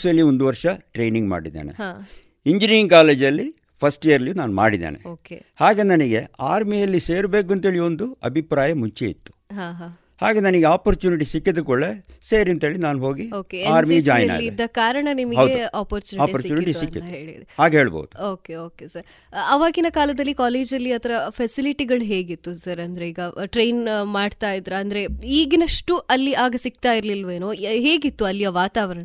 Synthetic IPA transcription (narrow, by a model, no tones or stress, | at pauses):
sɐlːiond̪uʋɐɾʂɐʈɾe̞ːjniŋɡma̰ːɽid̪ḛːnḛ | iɲd͡ʒiɾinkaːle̞ːd͡ʒɐlːi | pʰɐsʈijɐɾɐlijuːnaːnma̰ːɽid̪ḛːnḛoːkehaːɡenɐniɡe̞aːɾmijɐlːiseːɾbe̞ːk̬uɐnt̪ɦe̞ːɭio̞nd̪uɐ̰bʱipɾaːjɐmuɲt͡ʃeḭt̪ːu̥ɦaɦa | haːɡenɐniɡeaːpɐɾt͡ʃuːniʈisikːid̪ukɔɭːeseːɾiɐnt̪ɦeːɭinaːnɦoːɡioːkeaːɾsmid͡ʒaːjɐnal̰ɡid̪ːɐkaːɾɐɳɐnimɐɡɐwdeaːpɐɾt͡ʃuːiaːpːɐɾsit͡ʃuːniʈiusiɐk̪ːid̪ɐɦeːɭḭd̪ehaːɡɦe̞ːɭbo̰wd̪uoːkeoːkesɐɾ | ɐʋaːɡinɐkaːlɐd̪ɐlːikaːleːd͡ʒɐlːiɐt̪ʰɐɾɐpʰɛsiliʈiɡɐɭɦe̞ːɡit̪ːusɐɾɐnd̪ɐɾeiːɡɐʈɾe̞jnmaːɖt̪aːjid̪ɾɐɐnd̪ɐɾe̞iːɡnɐʂʈuʔɐlːiaːɡɐsik̚t̪aːjiɾɐlilʋe̞ːnoːɦe̞ːɡit̪ːuɐlːijɐʋaːt̪aːʋɐɾɐɳɐ